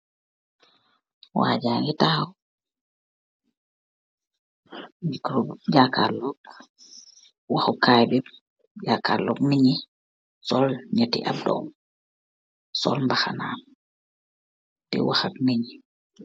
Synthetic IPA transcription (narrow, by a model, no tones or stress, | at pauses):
wa̰ːd͡ʒaŋɡitawɔ | mikɾɔd͡ʒaka̰lɔk | waxɔkːajbɛ | d͡ʒakalːɔɡniɲi | sɔlɲatḭʔa̰bdɔ̰m | sɔ̰lmbaxana | tɛ̰waxatniɲi